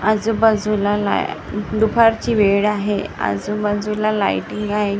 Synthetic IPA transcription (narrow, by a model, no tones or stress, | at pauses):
ad͡zubəd͡zʱulala̰ɖupʰaɾt͡ɕiːʋeɽaɦeə̰d͡zubəd͡zʱulala̰jʈiŋɡaɦe